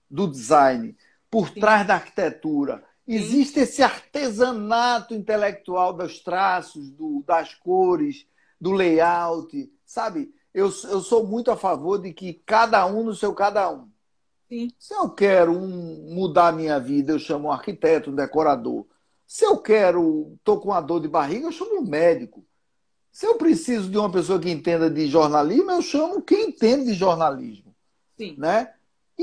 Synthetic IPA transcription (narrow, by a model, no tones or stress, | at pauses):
d̪ʊd̪izajnɪ | poɾt̪ɾazd̪ɐaɾki̥t̪et̪uɾɐ̰ | ɪziʃt̪ɪesɪaɾt̪ezɐ̃nat̪ʊĩnt̪ɛlɛk̚t̪uawd̪ɐʃt̪ɾasʊzd̪ʊd̪ɐskoɾɪs | d̪ʊlejawt̪ɪ | sabɪ | ewsewsowmũj̃t̪ʊafavoɾd̪ɪkɪkad̪ɐũnʊsewkad̪ɐũ | ĩsɪewkɛɾʊũmud̪aɐmĩɲɐvid̪ɐewʃɐ̃mʊũaɾkit̪ɛt̪ʊũd̪ɛkɔɾad̪o̰ɾ | sɪewkɛɾʊt̪okõɐd̪oɾd̪ɪbaɦiɡɐewʃɐ̃mʊũmɛd̪ikʊ | sɪewpɾesizʊd̪ɪũmɐpesoɐk̬ɪẽnt̪ẽnd̪ɐd̪ɪʒɔɾnaliʒmʊewʃɐ̃mʊkẽj̃ẽt̪ẽnd̪ʊd̪ɪʒɔɾnalḭʒmʊ | ĩnɛ